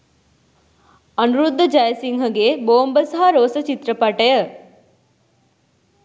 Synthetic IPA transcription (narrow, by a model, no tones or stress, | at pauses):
ɐnuɾud̪ʱːɐd͡ʒɐjɐsiŋɦɐɡeboːmbɐsɐɦɐɾoːsɐt͡ʃit̪ɾɐpɐʈɐjɐ